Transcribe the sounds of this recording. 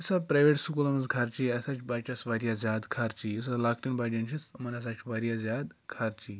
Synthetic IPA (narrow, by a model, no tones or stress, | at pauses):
isapɾajʋeʈsukulɐmɐnzkʰaɾt͡ʃiɐsat͡ʃʰbaʈʲasʋaɾjazʲjaːd̪kʰaɾt͡ʃiisalaːkʈinbaʈʲɐnt͡ʃʰismɐnɐs̬at͡ʃʰʋaɾijazʲjaːd̪kʰaɾt͡ʃi